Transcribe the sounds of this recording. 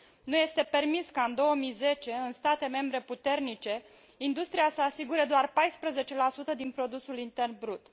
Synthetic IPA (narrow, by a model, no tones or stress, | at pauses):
nuje̞st̪e̞pe̞rmiskaɨnd̪o̞wəmijze̞t͡ʃe̞ɨnst̪at̪e̞me̞mbɾe̞put̪e̞rnit͡ʃe̞ | ind̪ust̪ɾijasəasiɡuɾe̞d̪oarpajspɾəze̞t͡ʃe̞lasut̪əd̪inpɾo̞d̪usulint̪e̞rnbɾut̪